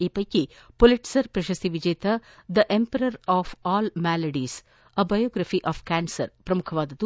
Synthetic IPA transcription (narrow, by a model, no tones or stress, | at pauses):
eːpɐjki | poliʈsɐɾpɾɐʃɐst̪iʋid͡ʒeːt̪ɐd̪ɐʔempɐɾɐɾaːfɔːlmæːlɐɖiːs | ɐbɐjoːɡɾɐfiʔaːfkæːnsɐɾpɾɐmukʰɐʋaːd̪ɐt̪u